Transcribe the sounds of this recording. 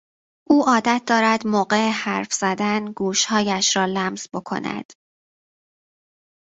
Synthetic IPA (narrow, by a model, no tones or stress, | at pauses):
ʔuːʔɒːd̪æt̪̚ʰd̪ɒːɾæd̪mɒːɢe̞ehæɾfz̥æd̪ænɡuːʃhɒːjæʃɾɒːlæmz̥bo̞kʰo̞̰næ̰d̪̥